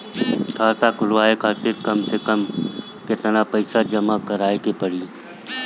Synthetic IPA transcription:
kʰaːt̪aːkʊlʋaːekʰaːt̪ɪɾkəmsekəm | ket̪ənãːpəɪsaːd͡ʒəmaːkəɾaːekeːpəɽiː

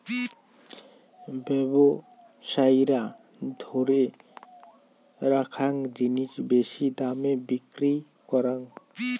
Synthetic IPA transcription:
bɛbɔ | sajɾa | d̪ʱɔɾɛ | ɾakʰaŋd͡ʒinit͡ʃbesid̪amɛbikɾi | kɔɾaŋ

